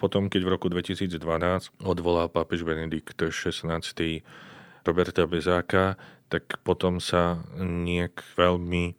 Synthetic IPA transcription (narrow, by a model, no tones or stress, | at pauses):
pɔt̪ɔmkɛɟvɾɔkud̪ʋɛcisiːd͡zd̪ʋanaːt͡scɔd̪ʋɔlalpapɛʒbɛnɛd̪ikt̪ʃɛsnaːt͡st̪i | ɾɔbɛɾt̪abɛzaːkat̪akpɔt̪ɔmsaɲɪɛkʋɛlmi